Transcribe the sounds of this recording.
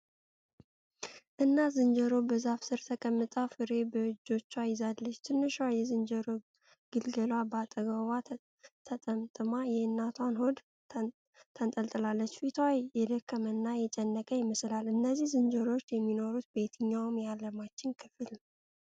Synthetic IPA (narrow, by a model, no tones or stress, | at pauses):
ʔɨnːazɨnd͡ʒəɾo̞bəzafsɨɾt̪ʰəkʼəmːɨt̪ʼəwfɨɾe̞bəɨd͡ʒːo̞t͡ʃːuajɪzalːət͡ʃːt̪ʰɨnːɨʃajɛzɨnd͡ʒəɾo | ɡ̥ɨlɡəlwabəat̪ʼəɡəwa | t̪ʰət̪ʼəmt̪ʼɨmajɛɨnːat̪ʰanhod̪ | t̪ʰənt̪ʼəlt̪ʼɨlalːət͡ʃːfit̪ʰajɛd̪əkʰːəmənːajɛt͡ʃʼɛnːəkʼəjɪməslalʔɨnːəzːihzɨnd͡ʒəɾo̞t͡ʃːjɛmːino̞ɾut̪̚be̞t̪ʰɨɲːawmjalːəmat͡ʃːɪnkʰɨfɨl